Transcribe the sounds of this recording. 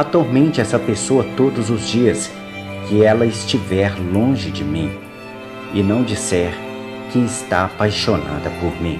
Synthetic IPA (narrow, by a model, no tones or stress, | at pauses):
at̪oɾmẽnt͡ʃɪɛsɐpesoɐt̪od̪ʊzʊzd͡ʒiɐs | kɪɛlɐɪst͡ʃivɛɾlõʒɪd͡ʒɪmĩ | ɪnɐ̃w̃d͡ʒisɛɾ | kɪɪst̪aapajʃona̰d̪ɐpoɾmĩ